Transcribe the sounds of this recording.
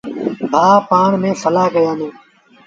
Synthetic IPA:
bʱaːpaːɳmẽːfʰəlaːkəjãːnẽː

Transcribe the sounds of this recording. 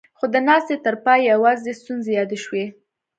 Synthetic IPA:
xod̪ənɑst̪et̪əɾpɑjjawɑzest̪unzejɑd̪eʃwe

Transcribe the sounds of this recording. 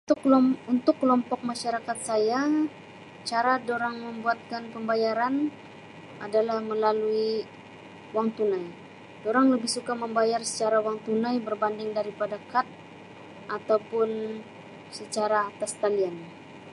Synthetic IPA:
unt̪ʊkːəlɔmpɔk̚maʃaɾakat̪̚saja | t͡ʃaɾadoɾaŋməmbuat̪̚kanpəmbajaɾan | ʔadalahməlalui | waŋt̪unaj | doɾaŋləbɪhsukaməmbajarsə̥t͡ʃaɾawaŋt̪unajbərbandɪŋdaɾipadakat̪̚ | ʔat̪awpʊn | sət͡ʃaɾaːt̪ast̪alian

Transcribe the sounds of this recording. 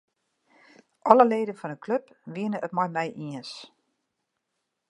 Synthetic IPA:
ʔɔləleːdənfɔnəkʰløpʋiənəʔətmɔjmɛjʔiəns

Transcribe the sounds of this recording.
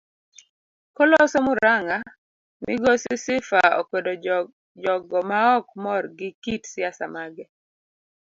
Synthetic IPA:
kɔlɔsomʊɾaŋa | mɪɡɔsɪsɪfao̰kwedo | d͡ʒɔɡɔmaɔkmɔrɡɪkitsɪasa̰maɡɛ

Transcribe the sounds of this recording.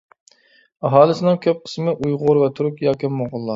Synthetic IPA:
ɑɦɑːlˠɪsɪnɪŋkʲʰøp̚qʰə̥smɪʔujʁʊɾvɛt̪ʰuɾukʲjɑːkʲʰɪmːoʁʊlˠːɑ

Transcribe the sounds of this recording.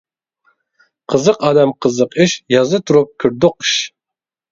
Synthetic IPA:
qʰəzəqɑd̪amqəzəqiʃjɑzɨt̪ʰuɾup̚kʲʰʊɾd̪ʊqɨ̥ʃ

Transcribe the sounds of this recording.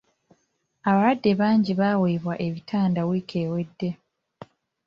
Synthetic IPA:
aβawadːe̞βaːɲɟiβaweːβwaʔe̞βitʰaːndawiːkʰe̞ːwe̞dːe̞

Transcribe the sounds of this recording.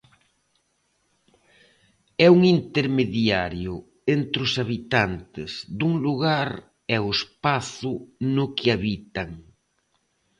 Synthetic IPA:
ɛuŋint̪eɾmeðjaɾjʊ | ent̪ɾʊsaβit̪ant̪ɪzd̪uŋluɣaɾ | ɛʊespaθʊnʊkɪaβit̪aŋ

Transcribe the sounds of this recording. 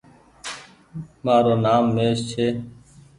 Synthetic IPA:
maːɾoːnaːmːeːst͡ʃʰeː

